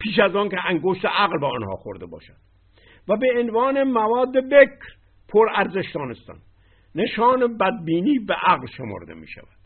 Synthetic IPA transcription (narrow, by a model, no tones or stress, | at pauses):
pʰiːʃæzɒːnkʰeʔæŋɡoʃt̪eʔæɣlbeɒnhɒ̰ːxoɾd̪ebɒ̰ːʃæd̪̥ | væbeːnvɒːnemævɒːd̪ːebekɾ | pʰoɾæɾzeʃd̪ɒːnest̪æ̰n | ne̞ʃɒːnebæd̪̚biːniːbeʔæɣlʃemo̰ɾd̪ḛmḭːʃæ̰væd̪̥